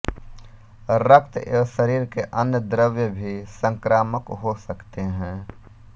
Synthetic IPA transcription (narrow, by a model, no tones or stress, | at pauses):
ɾək̚t̪eːʃəɾiːɾkeʔɐnjəd̪ɾəʋjəbʱisə̃ŋkɾaːməkɦosɐkt̪eɦɛ̃ː